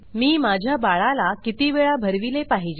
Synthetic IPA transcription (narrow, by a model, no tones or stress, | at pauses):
miːmad͡ʑʱjabaɭalakit̪iʋeɭabʱəɾʋilepaɦid͡ʑ